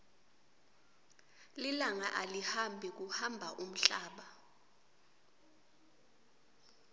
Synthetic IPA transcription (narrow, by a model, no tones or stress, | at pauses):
lilaŋaʔalihambʱik̬uhambʱaʔum̩ɬaːɓa